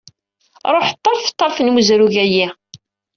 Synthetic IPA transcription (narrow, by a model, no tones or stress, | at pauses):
ɾˤoħət̪ˤːɑɾˤft̪ˤːɑɾˤfənmuzɾuʝæji